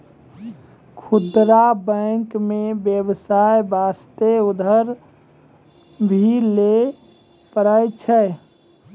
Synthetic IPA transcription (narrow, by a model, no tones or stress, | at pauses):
kʰut̪ɾabəŋkmẽbjəbsajbast̪eʊd̪ʱəɾ | bʱile | pəɾəjt͡ʃʰɛ